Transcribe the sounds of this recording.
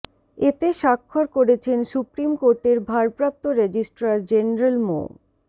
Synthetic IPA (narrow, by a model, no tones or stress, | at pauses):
et̪eʃakʰːoɾkoɾet͡ɕʰensupɾimkoɾʈeɾbʱaɾpɾap̚t̪oɾed͡ʑisʈɾaɾd͡ʑenɾalmo̰